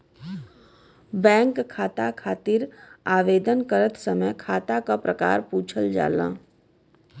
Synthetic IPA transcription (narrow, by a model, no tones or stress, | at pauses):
bɛ̃ːŋkʰːaːt̪akʰaːt̪iɾaːʋeːd̪ənkəɾət̪səməjkʰaːt̪akapɾəka̰ːɾpuːt͡ʃʰəld͡ʒa̰ːlã̰ː